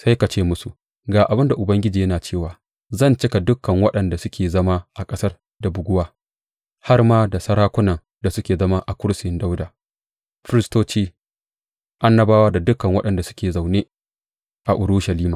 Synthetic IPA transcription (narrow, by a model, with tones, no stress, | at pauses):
sa˦jka˨t͡ʃeː˦mʊ˦su˨ | ɡaː˨ʔa˨bɪ˦nda˨ʔʊ˨bɐ˦ŋɡʲɪ˦d͡ʒiː˨jɐ˦naː˨t͡ʃeː˦˨waː˨ | zɐ˦˨nt͡ʃɪ˦ka˨dʊ˦kːɐ˨ŋwɐ˦ɗɐ˨nda˨sʊ˦kʲʰeː˨zɐ˦ma˦ʔa˨kʼɐ˦sɐ˦r | da˨bʊ˨ɡʷʊ˦waː˦ | ha˦rmaː˦da˨sɐ˦ɾaː˦kʷʊ˦nɐ˨ŋ | da˨sʊ˦kʲeː˨zɐ˦ma˦ʔa˨kʷʊ˦ɽsɪ˦nda˦wdaː˨ | ɸɪ˦ɾɪ˦stoː˦t͡ʃiː˦ | ʔa˦nːɐ˦baː˦waː˦da˨dʊ˦kɐ˨ŋwɐ˦ɗɐ˨nda˨sʊ̥˦kʲeː˨za˨wneː˦ | ʔa˨ʔʊ˨ɾu˦ʃɐ˨liː˦maː˨